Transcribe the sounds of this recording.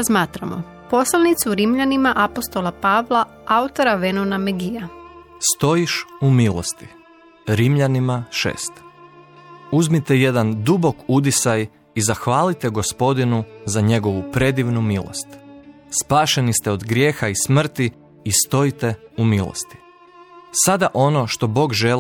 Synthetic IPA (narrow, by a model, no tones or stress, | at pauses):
zmaːt̪ɾamo̰ | po̞slˠanit̪suɾimʎanimaʔapost̪olapaːʋlˠa | aut̪o̞ɾaʋenonameɡiast̪o̞jiʃumiːlˠo̞̰st̪i̥ | ɾimʎanimaʃḛːst̪ | uzmit̪eje̞d̪and̪ubo̞kud̪̬isaj | izaxʋaːlit̪eɡo̞spo̞d̪inuzaɲe̞ɡo̞ʋupɾe̞d̪iʋnumiːlˠo̰st̪ | spaːʃe̞nist̪ɛo̞d̪ɡɾʲje̞ːxaismr̩t̪iː | st̪o̞jit̪eumiːlˠo̰st̪i̥ | sad̪aʔo̞no̞ʃt̪o̞bo̞ːɡʒel